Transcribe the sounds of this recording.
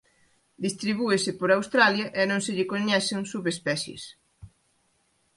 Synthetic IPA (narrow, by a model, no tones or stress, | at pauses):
d̪ist̪ɾiβ̞uesɪpoɾawst̪ɾaljɐʔenõŋsɪʎɪkoɲɛθɪŋsuβespɛθjḛs